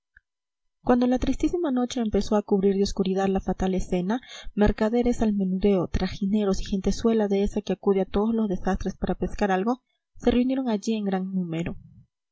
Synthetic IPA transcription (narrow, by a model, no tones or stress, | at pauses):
kwand̪o̞lat̪ɾist̪isimano̞t͡ʃe̞ːmpe̞so̞akuβɾiɾðeo̞skuɾiðaðlafat̪ale̞se̞nameɾkaðe̞ɾe̞salme̞nuðe̞ot̪ɾaxine̞ɾo̞si̥xe̞nt̪e̞swe̞laðeesakeakuð̞eat̪o̞ðozlo̞zðe̞sast̪ɾe̞spaɾape̞skaɾalɣo̞ | se̞reunje̞ɾo̞ŋaʝie̞ŋɡɾaŋnũme̞ɾo̞